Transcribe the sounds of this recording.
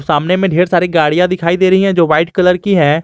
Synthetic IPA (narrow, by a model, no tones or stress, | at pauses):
saːmnemẽːɖʱeːɾsaːɾiːɡaːɽijãːd̪ɪkʰaːid̪eːɾəɦiɦɛ̃ːd͡ʒoːʋaːɪʈkələɾkiːɦɛː